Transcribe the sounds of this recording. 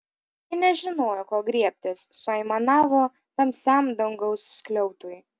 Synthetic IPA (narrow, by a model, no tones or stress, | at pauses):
jɪnʲɛʒʲɪnoːjoːkoːɡɾʲiɛpʲt̪ʲeːsːʊɐɪmɐnɑːʋoː | t̪ɐmʲsʲæmd̪ɐŋɡɐʊsːʲklʲɛʊt̪uːj